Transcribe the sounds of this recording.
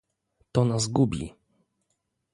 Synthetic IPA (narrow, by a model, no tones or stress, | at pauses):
t̪ɔnazɡubʲḭ